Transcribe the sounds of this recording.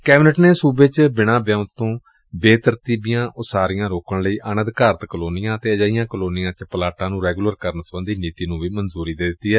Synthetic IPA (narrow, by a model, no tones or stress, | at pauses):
kɛːbɪnəʈneːsuːbeːt͡ʃbɪɽ̃ãːbjãːt̪õː | beːt̪əɾt̪iːbɪjãːʔʊsaːɾɪjãːɾoːkʰəɳləiːʔanə̃d̪kaːɾət̪kəloːnɪjãːt̪eːəd͡ʒaːijãːkəloːnɪjãːt͡ʃpəlaːʈãːnũːɾɛːɡuːləɾkəɾnsəbə̃nd̪iːniːt̪iːnũːʋiːmənzuːɾiːd̪eːd̪ɪt̪ːiːɦɛː